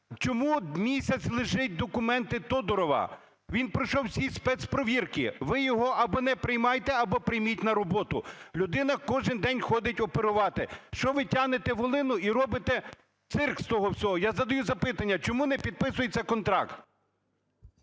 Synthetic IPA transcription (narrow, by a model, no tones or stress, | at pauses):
t͡ʃɔmumʲisʲɐt͡sʲlˠɪʒɪt̚ʲd̪ɔkʊmɛnt̪ɪt̪ɔd̪ɔɾɔʋɐ̰ | ʋʲinpɾɔjʃɔwsʲispɛt̪spɾɔʋʲirkɪ̰ʋɪjɔɦɔʔɐbɔnɛpɾɪjmɑjt̪ɛɐbɔpɾɪjmʲitʲnɐɾɔbɔt̪ʊlʲʊd̪ɪnɐkɔʒɪnd̪ɛnʲxɔd̪ɪtʲɔpeɾʊʋɑt̪ɪʃt͡ʃɔʋɪtʲanet̪ɛʋɔlˠɪnʊiɾɔbɪt̪ɛ | t̪sɪrkst̪ɔɦɔwsʲɔɦɔjazɐd̪ɐjuzɐpɪt̪ɐnʲːɐt͡ʃɔmunɛpʲid̪̚pɪsʊjet͡sʲːɐkɔnt̪ɾɑ̰kt̪